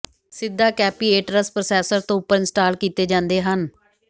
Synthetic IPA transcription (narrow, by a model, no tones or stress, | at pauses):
sɪd̪ːaːkɛːpiːeːʈɾəspɾoːsɛːsəɾt̪õːʊpːəɾɪnsʈaːlkiːt̪eːd͡ʒãːnd̪eːɦən